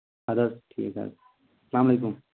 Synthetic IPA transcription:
ad̪ɐʈʰḭeka̰ | slaːmlekum

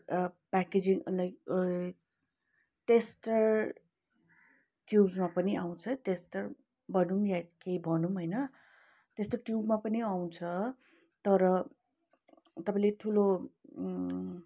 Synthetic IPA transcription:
paked͡ziŋlajk | ʈesʈʌr | ʈjubzmapʌniʔaw̃t͡sʰʌʈesʈʌr | bʱʌnumjakeibʱʌnumɦʌjnʌ | t̪est̪oʈjubmapʌniaw̃t͡sʰʌ | t̪ʌɾʌ | t̪ʌpãĩleʈʰulo

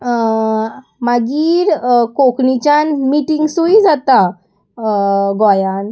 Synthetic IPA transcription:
maɡiːɾkoknit͡ɕanmiʈiŋɡsuid͡zat̪a | ɡɔjan

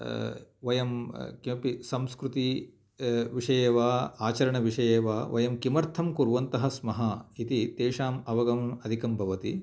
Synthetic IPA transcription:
ʋɐjɐmkiɐpisɐmskɾut̪i | ʋiʂɐjeːʋaːaːt͡ʃɐɾɐɳɐʋiʂɐjeːʋaːʋɐ̰jɐmkimɐɾt̪ʰɐmkuɾʋɐnt̪ɐɦɐsmɐɦɐit̪it̪eːʂaːmɐʋɐɡɐmɐd̪ʱikɐmbʱɐʋɐt̪i

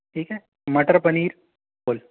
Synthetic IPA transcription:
ʈʰiːkɦɛː | mɐʈəɾpɐniːɾ | boːl

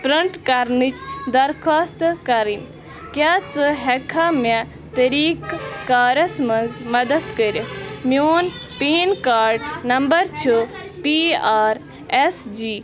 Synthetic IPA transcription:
pɾɐɳʈkɐɾnit͡ʃd̪ɐɾkʰaːst̪kɐɾin | kjaːt͡sɨɦekʰamɐ | t̪ɐɾiːkːaːɾɐsmɐnzmɐd̪ɐt̪kəɾimjoːnpeːnkaːɾɖnɐmbɐɾt͡ʃʰu | piaːɾ | esd͡ʒiː

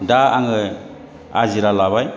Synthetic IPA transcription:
daaŋɯ | aziɾalaβaj

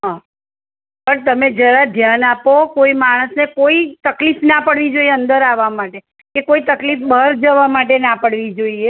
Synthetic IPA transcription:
ɦã | pəɳt̪əmed͡ʒəɾad̪ʱjanapokoimaɽ̃əsnekoit̪əklifnapəɽʋid͡ʒoieənd̪əɾaʋamaʈe | kekoit̪əklifbəɾd͡ʒəʋamaʈ̬enapəɽʋid͡ʒoie

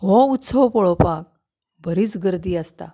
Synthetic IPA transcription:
ɦɔ̃ut̪ːsəwpɔɭopãk̚ | bʱəɾiːt͡sɡəɾd̪iːast̪a̰

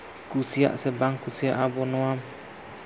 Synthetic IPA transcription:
kusia̰ʔsəbaŋkusiaʔabonoam

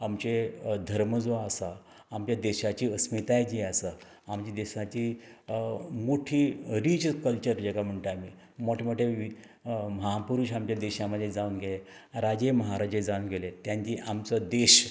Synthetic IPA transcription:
amt͡ɕed̪ʱəɾməd͡zʋaəsa | amt͡ɕjad̪eɕat͡ɕiːəsmit̪ajd͡ʑiːəsə | amt͡ɕid̪eɕat͡ɕiː | moʈʰiːɾit͡ɕkəlt͡ɕəɾd͡ʑekam̤əɳʈ̪əamiː | moʈʰemoʈʰːeʋi | məɦapuɾuɕamt͡ɕjad̪eɕaməd̪ʱːjed͡zauːnɡele | ɾad͡ʑeməɦaɾad͡ʑed͡zaunɡelet̪jãɲt͡ɕiʔamt͡səd̪eɕ

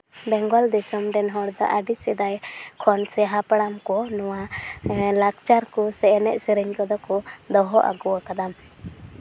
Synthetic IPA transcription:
bɛŋɡɔld̪ɛsɔmɖɛnɦɔɾd̪ɔ̰ʔaɖisɛd̪ajkʰɔnsɛɦapaɽamkɔnɔwa | lakt͡ʃaɾkɔsɛɛnɛʔ̚siɾiɲkɔd̪ɔkɔd̪ɔɦɔʔa̰ɡuwakad̪am

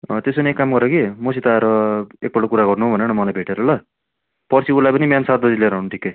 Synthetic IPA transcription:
t̪es̬ʌniekːamɡʌɾʌkimosʰit̪aeɾʌek̚bʌɽokuɾaɡʌrnuɦobʱʌneɽ̃ʌmʌlajbʱeʈeɾʌlʌ | pʌrt͡sʰiulajpʌnimjansat̪̚bʌd͡zileɾaɦunuʈʰi̥kːe

